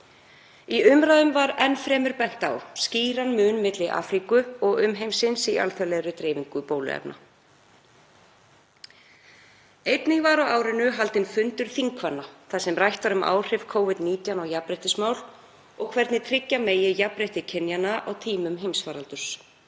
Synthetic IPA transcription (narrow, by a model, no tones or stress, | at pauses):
iʏmɾaːðʏmvaɾɛnːfɾɛːmʏɾpɛn̥t̪a̰wsciːɾanmʏːnmɪt̪lɪʔa̰ːfɾikʏɔɣʏmɦejmsɪnsia̰lθœlɛɾʏt̪ɾɛːviŋkʏpoːwlʏ̰ɛ̰pnʔa̰ | ejt̪nɪŋvaːɾawaːwɾɪnʏɦalt̪ɪnfʏnt̪ʏɾ̥θiŋkʰvanːaθaðsɛmrajht̪vaɾʏmʔa̰ːwr̥ɪv̥kʰoːwvɪt̪niːt̪janɔɣjapɾejht̪ɪsmaːwl | ɔɣkʰvɛɾt̪nɪt̪ʰɾɪcːameːjɪjapɾejht̪ɪcʰɛnjanaʔawt̪ʰiːmʏmɦejmsfaːɾalt̪ʏɾ̥s